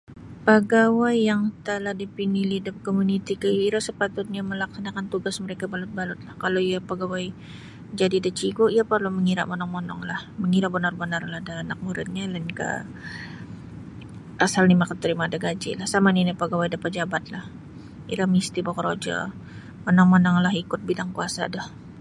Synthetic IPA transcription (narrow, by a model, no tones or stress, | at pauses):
pəɡawajːaŋt̪əlahdipinilidʊp̚komunit̪ikəjuiɾasəpat̪ʊt̪̚ɲaməlaksanakant̪uɡasməɾekabalʊt̪̚balʊt̪̚lahkalawiapəɡawaj | d͡ʒadidat͡ʃiɡoʔiapərluməŋiɾa̰ʔmɔnɔŋmonɔ̰ŋlahməŋiɾaʔbənarbənarlahdaːnak̚muɾɪ̰t̪̚ɲalənka̰ | ʔasalnimakət̪ːəɾimadaɡad͡ʒɪ̰lahsamaninipəɡawajdapat̪̚d͡ʒabat̪̚lah | ḭɾamist̪ibokɔɾod͡ʒa̰ | monɔŋmonaŋlaɦikʊt̪̚bidaŋkuasa̰dah